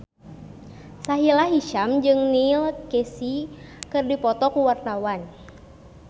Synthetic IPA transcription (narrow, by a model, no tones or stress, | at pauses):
saɦilaɦiʃamd͡ʒɨŋnilkɛsikɨrdipɔt̪ɔkuwart̪awan